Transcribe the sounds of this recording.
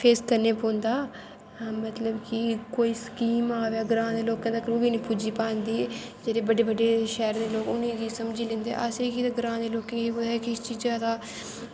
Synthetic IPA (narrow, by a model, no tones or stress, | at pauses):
pʰeːskəɾneːpõːnd̪aː | mət̪ləbkɪkoːiːskiːmaːʋeaːɡɾãːd̪eːloːkãːd̪akəɾuːbiːnĩːpuːd͡ʒiːpãːnd̪iːd͡ʒeːɾeːbəɖeːbəɖeːʃɛːɾd̪eːloːkʊnĩːd̪iːsəmd͡ʒiːlẽːnd̪ḛːʔaseːkiːt̪aɡɾãːd̪eːloːkẽkiʊɛkɪst͡ʃiːzaːd̪aː